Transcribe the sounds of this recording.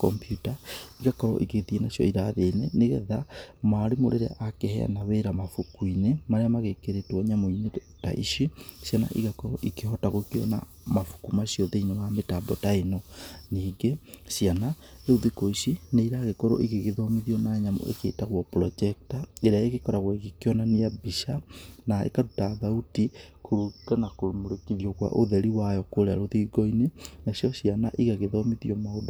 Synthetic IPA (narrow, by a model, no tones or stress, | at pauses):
kɔmpjutaiɣakɔɾɔ̰ʔikeðienasjɔ̰iɾaðeneneɣɛðamaɾemo̰ɾeɾeʔakehɛ̰a̰naweɾamafukwinemaɾeamaɣekeɾetwɔɲamoine | ta̰ʔḭʃisjana̰ʔiɣakɔɾɔʔikeɦɔtaɣokiɔ̰na̰ | mafu̥kumasiɔðeinewametabɔtainɔniːɡesjana | eoðekoisineiɾaɣekoɾo̰ʔiɣeɣeðɔmiðiɔnaɲamɔ̰ʔḛkḛːtaɣwɔpɾɔd͡ʒɛk̚taeɾeaeɣekɔɾaɣwiɣekjɔnaniabiʃanaḛkaɾutaðautikoɾuɡanakoɾomoɾekiðjɔɣwa̰ʔoðɛɾiwajɔkoɾeaɾoðiɡoinenasjɔsjianaʔiɣaɣeðɔmiðiɔmaodo